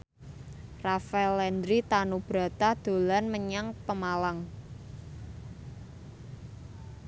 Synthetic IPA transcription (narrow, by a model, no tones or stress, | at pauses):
rafaɛlɛnd̪ɾit̪anub̥ɾa̤t̪ad̪̥o̤lanməɲaŋpəmalaŋ